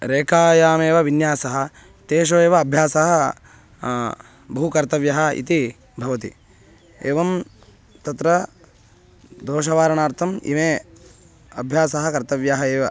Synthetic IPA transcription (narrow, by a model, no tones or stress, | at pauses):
ɾeːkaːjaːmeːʋɐʋinjaːsɐɦɐ̆ | t̪eːʃ̬oːeːʋɐːbʱjaːsɐɦɐ | bɐɦukɐɾt̪ɐʋjɐɦɐ̆ḭt̪i | bʱɐʋɐt̪ḭ | eːʋɐm | t̪ɐt̪ɾɐ | d̪oːʃɐʋaːɾɐɳaːɾt̪ʰɐmḭmeː | ɐbʱjaːsɐɦɐkɐɾt̪ɐʋjɐɦɐeːʋɐ